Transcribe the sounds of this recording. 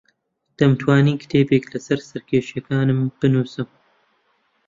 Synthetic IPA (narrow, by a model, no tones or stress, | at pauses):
d̪̥ɐmt̪ʰwaːniːkt̪ʰeːbeklɐsɐɾsɐɾkʰʲeːʃɐkaːnɨmb̥ɨnuːsɨm